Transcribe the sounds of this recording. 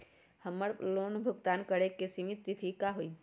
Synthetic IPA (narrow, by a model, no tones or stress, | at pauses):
həmːəɽloːnbʱʊɡt̪aːnkəɽekːesimit̪ːit̪ʰikaɦoi